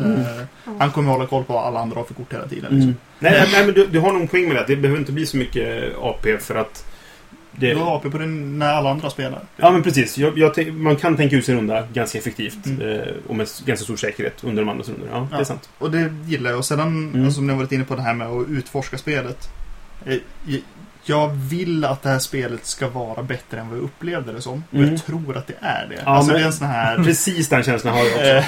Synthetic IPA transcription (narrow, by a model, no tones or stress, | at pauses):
hankʰɔmːɾhɔlːakʰɔlːpʰɔaʔa̰lːaa̰nd̪ɾafɪkːʊʈːeːlat̪ḭːd̪ə̰nɪsɔm | nɛnɛmɛnd̪ɵd̪ɵɦaɳɔnpʰɔɛŋːmɛd̪ɛat̪̚d̪ɛbɛhøːvɾɪnt̪əbliːsɔmʏkːəɑ̰ːpʰeːfœɾat̪ | d̪ɛɑːpeːpʰɔd̪ɛnæɾalːaand̪ɾaspeːla̰ɾɑːmɛnpʰɾɛs̬iːsjɑjɑːt̪ʰɛmankʰant̪ʰɛŋk̬aʉ̟t̪sɪnɾɵnd̪aɡanskaɛfɛk̚t̪ʰiːft̪ɔ̰mɛɡanskast̪uːʂɛːkəɾhḛːt̪ɵnd̪əɖɔmand̪ɾasɵ̰nd̪ə̰ːd̪ɛsa̰nt̪ɔd̪ɛjɪlːaɾjɑɔseːd̪ːanalsɔsɔmnɪhavɑːɾɪt̪ɪnːəpʰɔd̪ɛɦæːɾmɛɔʉ̟ːt̪fɔʂkaspeːlət̪ | jɑːɡvɪlːat̪̚d̪ɛhæːʂpeːlət̪skavɑːɾʔabɛt̪ːɾəɛnvajaʔɵpːleːvd̪əɾɛsɔmːɔjat̪ʰɾuːɾʔat̪̚d̪ɛʔæ̰ɖɛ̰alsɔd̪ɛɛnsɔnhɦæːɾpɾɛsiːsd̪ɛnɕɛnslahaɾ